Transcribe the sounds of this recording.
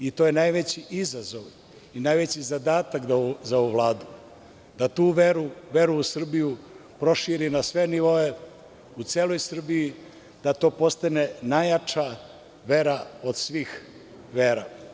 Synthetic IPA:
it̪ojenajʋet͡ɕiʔizazo̞ʋ | inajʋe̞t͡ɕizad̪aːt̪ak̪zaouʋlˠaːd̪u | d̪at̪uːʋeɾuʋe̞ɾuːsr̩bijupɾo̞ʃiːɾinasʋe̞niʋo̞e̞ | ut̪seːlˠo̞jsr̩biji | d̪̥at̪o̞ːpo̞st̪ane̞najat͡ʂa | ʋe̞ɾaod̪sʋiːx | ʋeːɾa

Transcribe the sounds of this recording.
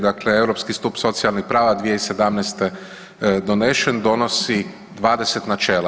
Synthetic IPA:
d̪akleewɾopskist̪uːpso̞t̪sialˠnixpɾaːʋad̪ʋijeise̞d̪amnɛst̪e | d̪oneʃend̪o̞nosi | d̪ʋaːd̪eset̪nat͡ʃeːla

